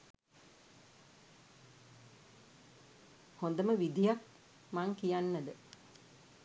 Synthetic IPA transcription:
hond̪əməʋid̪ijak̚ | maŋkijanːəd̪ə

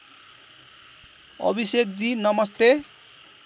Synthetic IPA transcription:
ʌ̰bʱisek̚d͡zinʌmʌst̪e

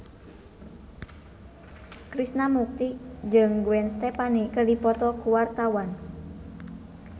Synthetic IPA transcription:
kɾisnamuk̚t̪id͡ʒɨŋɡuɛnst̪ɛpanikərdipɔt̪ɔkuwart̪awan

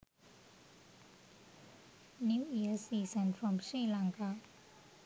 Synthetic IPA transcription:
njuiəsisə̃nfɹɔ̃mʃilãŋka

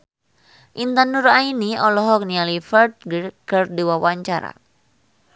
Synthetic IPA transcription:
ʔint̪anurainiɔlɔɦɔk̚nialifərt̪̚kərduwawaɲt͡ʃaɾa̰

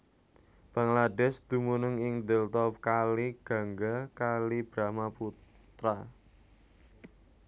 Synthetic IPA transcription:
b̥ä̤ŋladɛsd̪̥ṳmunʊŋɪŋd̪ɛlt̪ɔp̚kaliɡ̥ä̤ŋɡakalib̥ɾamapu | t̪ɾa

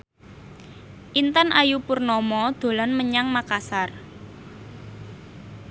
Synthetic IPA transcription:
ʔint̪anʔajupurnɔmɔd̪̥o̤lanməɲaŋmakasar

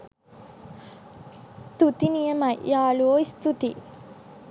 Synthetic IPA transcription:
t̪ut̪inijɐmɐjjaːɭuoːist̪ut̪i

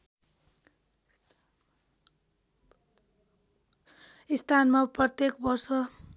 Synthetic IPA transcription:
ist̪ʰanmaprʌt̪jekbʌrsʌ

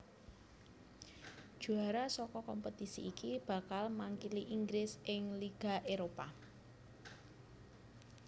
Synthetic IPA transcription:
ʒ̥ṳaɾasɔkɔkɔmpət̪isḭikib̥ä̤kalmaŋkiliʔiŋɡɾɪsʔɪŋliɡ̥a̤ʔeɾopa

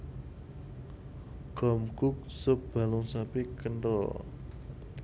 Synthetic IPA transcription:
ɡ̥ɔ̤mɡ̥ʊ̤k̚səb̥a̤lʊŋsapikənɔ̰

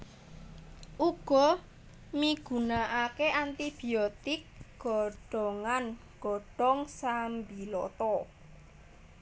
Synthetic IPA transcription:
ʔuɡ̥ɔ̤ | miɡ̥ṳnaʔakeʔant̪ib̥i̤ɔt̪ɪkɡ̥ɔɖ̥ɔŋanɡ̥ɔ̤ɖ̥ɔŋsambilɔ̰t̪ɔ

